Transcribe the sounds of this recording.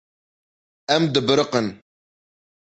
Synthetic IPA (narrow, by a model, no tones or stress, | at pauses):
ɛmd̪ɨbɨɾəqən